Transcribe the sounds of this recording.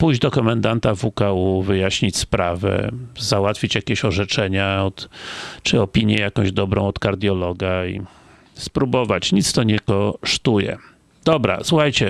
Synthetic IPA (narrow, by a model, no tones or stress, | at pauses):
pujʑd͡ʑd̪ɔkɔmɛnd̪ant̪avukauvɘjaɕɲit͡ɕspɾavɛ̰zawat̪fʲit͡ɕjakʲeɕɔʐɛt͡ʂɛɲaɔt̪t͡ʂɘɔpʲiɲjɛjakɔ̃w̃ʑd̪ɔbɾɔ̃w̃ɔt̪kaɾd̪ʲjɔlɔɡaḭ | spɾubɔvat͡ɕɲit̪st̪ɔɲɛkɔʂt̪ujɛ̰ | d̪ɔbɾa̰swuxajt͡ɕɛ